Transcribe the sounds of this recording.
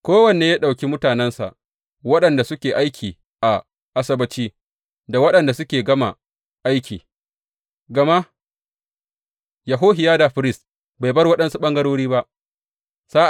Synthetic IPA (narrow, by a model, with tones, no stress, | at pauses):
kʷoː˦wɐ˨neː˨jaː˦ɗa˨wkʲi˦mʊ˦taː˨nɛ˦nsa̰˨ʔ | wɐ˦ɗɐ˨nda˨sʊ˦kʲeː˨ʔa˦jkʲʰiː˨ | ʔa˨ | ʔa˨sɐ˦bɐ˨t͡ʃiː˦ | da˨wɐ˦ɗɐ˨nda˨sʊ˦kʲeː˨ɡɐ˦ma̰˨ | ʔa˦jkʲiː˨ | ɡɐ˨ma˦ | ja˨ɦoː˦ɦɪ˨jaː˦da˨ɸɪ˦ɾɪ˦˨st | ba˨jbɐ˦rwɐ˦ɗɐ˦nsu˦ɓɐ˦ŋɡɐ˦ɽoː˦ɽiː˦ba˦ʔ | saː˦ʔ